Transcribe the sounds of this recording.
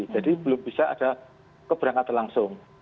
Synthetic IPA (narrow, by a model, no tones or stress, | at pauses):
d͡ʒadib̥əlʊmbisaʔa̰d̥a | kəb̥əɾaŋat̪laŋsʊŋ